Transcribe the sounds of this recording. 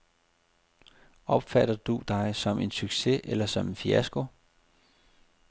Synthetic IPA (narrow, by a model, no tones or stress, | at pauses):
ɒ̽b̥fæɾɐd̥ud̥ɑ̈ɪsɒ̽me̝nsyɡ̥se̝ʔelɐsɒ̽menfiæsɡ̥o̝